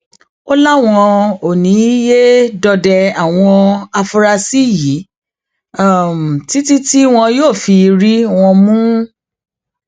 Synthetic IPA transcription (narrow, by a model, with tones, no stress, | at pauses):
o˦la˦w̃ɔ̃˧o˨nĩ˨˦je˦dɔ˧dɛ˧a˨w̃ɔ̃˧a˧fu˧ɾa˧si˦ji˨˦˨ | m˨ti˦ti˦ti˦w̃ɔ̃˧joː˦˨fi˧ɾi˦w̃ɔ̃˧mũ˦